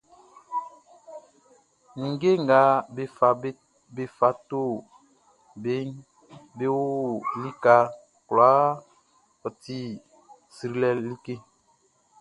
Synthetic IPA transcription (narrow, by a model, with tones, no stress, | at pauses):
ŋ̩˨ɡe˦ŋ˨ɡa˨˦be˨fa˨˦ | be˨fa˨˦to˦˨ | be˨˦ŋ | be˦wo˦li˦ka˨˦ | kla˨˦ | ɔ˨ti˦ | si˨ɾi˦lɛ˦li˦ke˦